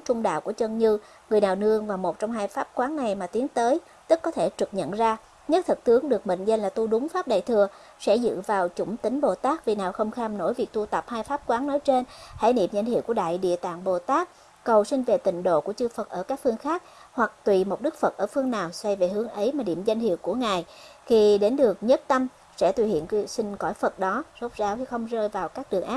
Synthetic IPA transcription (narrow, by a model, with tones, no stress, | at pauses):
t͡ɕʊ˧ŋ͡mɗa̰ː˧˨wku˧˩ət͡ɕwə˧nɲɨ˧ | ŋɨ˨˩əjnaː˨˩wnɨ˧əŋvaː˨˩wmo˨˩t̚t͡ɕɔ˧wŋ͡mɦaː˧jfaː˦˥p̚kwaː˨˦nːa˨˩jmaː˨˩t̪i˨˦əŋt̪əː˨˦j | t̪ɨ˦˥k̚ːɔ˨˦t̪ʰe˧˩t͡ɕɨ˨˩k̚ɲə̰˧˨nzaː˧ | ɲə˦˥t̚t̪ʰɨ˨˩k̚t̪ɨ˨˦əŋɗɨ˨˩ək̚mḭ˧˨ŋ̟zə˧nlaː˨˩t̪u˧ɗʊ˨˦ŋ͡mfaː˦˥p̚ɗa̰ː˧˨jt̪ʰɨ˨˩ə | sɛ̰˧˥zɨ̰˧˨vaː˨˩wt͡ɕʊ˧˩ŋ͡mt̪ï˨˦ŋ̟ɓo˨˩t̪aː˦˥k̚vi˨˩naː˨˩wxə˧wŋ͡mxaː˧mno̰˧˩jvi˨˩ək̚t̪u˧t̪ə˨˩p̚haː˧jfaː˦˥p̚kwaː˨˦nnɔ˨˦jt͡ɕe˧nha̰ː˧˥jnḭ˧˨mza˧j̟hḭ˧˨wku˧˩əɗa̰ː˧˨jɗḭ˧˨ət̪a̰ː˧˨ŋɓo˨˩t̪aː˦˥k̚ː | ə˨˩wsï˧ŋ̟ve˨˩t̪ï˨˩ŋ̟ɗo̰˧˨ku˧˩ət͡ɕɨ˧fə˨˩t̚ʔəː˧˩kaː˦˥k̚fɨ˧əŋxaː˦˥k̚ | hwa˨˩k̚t̪wḭ˧˨mo˨˩t̚ɗɨ˦˥k̚fə˨˩t̚ʔəː˧˩fɨ˧əŋnaː˨˩wsa˧jve˨˩hɨ˨˦əŋʔə˨˦jmaː˨˩ɗḭ˧˩əmza˧jŋ̟hḭ˧˨əwku˧˩əŋaː˨˩jxi˧ɗe˨˦nɗɨ˨˩ək̚ɲə˦˥t̚t̪ə˧m | sɛ̰˧˥t̪wḭ˧˩hḭ˧˨ənksï˧ŋ̟kɔ˧˩jfə˨˩t̚ɗɔ˨˦z̥o˦˥t̚zaː˨˧wt̪ʰi˧˩xə˧wŋ͡mzəː˧jvaː˨˩wkaː˦˥k̚ɗɨ˨˩əŋʔaː˦˥p̚